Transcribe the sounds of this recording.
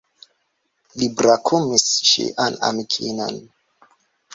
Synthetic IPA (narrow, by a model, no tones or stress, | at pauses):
libɾakʰumist͡ʃḭʔana̰mikʰino̰n